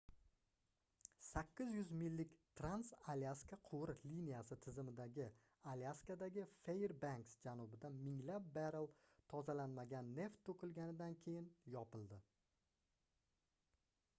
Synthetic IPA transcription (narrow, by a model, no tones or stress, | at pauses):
sakʲːɪzjʊzmɪlːɪkʲt̪ʰɾansalaskaqʰʊwɾlinijasɪt̪ʰɪzɪmɪd̪aɡʲɪ | aliaskad̪aɡʲɪfejɾbaŋksd͡ʒanʊbɪd̪anmɪŋlap̚baɾɪlˠt̪ʰɒzalanmaɡʲanːe̞ft̪ʰːɵkʲɪlɡʲanɪd̪ankʲʰe̞jɪnjɒpʰɪlˠd̪ɪ